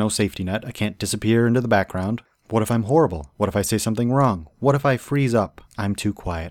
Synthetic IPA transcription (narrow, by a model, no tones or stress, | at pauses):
oʊseɪftinʌɾaɪkʰæ̃nd̥ɨsɨpʰɪɹɪ̃ntʉðəbæk̚ɡ̥ɹãʊ̃nd | wʌɾɨfãɪ̃mɦɔɹəbl̩ˠwʌɾɨfaɪseɪsʌ̃mθɪ̃ŋɹɔ̃ŋwʌɾɨfaɪfɹizʌpãɪ̃mtʰʉkʰw̥aɪɨt̚